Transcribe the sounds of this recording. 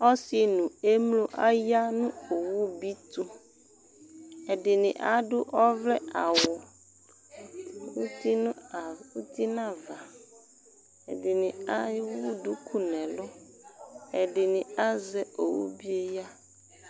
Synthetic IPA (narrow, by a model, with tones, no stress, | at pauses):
ɔ˦si˨nũ˨e˦mlo˦ʔa˦ja˦nũ˦o˨wu˦bi˦t̪u˦ | e˨ɖɪ˨nĩ˨ʔa̰˨ɖo˦ʔɔ˦vlɛ˦a˨wɔ˨ | wu˦t̪i˦ñ˦˨wu˦t̪i˦nã˦va˨ | ḛ˨dɪ˨nĩ˨a˦wu˦du˦kʰu˦nɛ̃˨lɔ˦ | e˨ɖɪ˨nĩ˨a˦zɛ˦o˨wṵ˦bi˦e˦ja˦